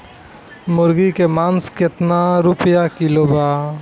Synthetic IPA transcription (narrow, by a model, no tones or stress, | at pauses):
mʊɾɡikemanskɪt̪naɾupjakilobaː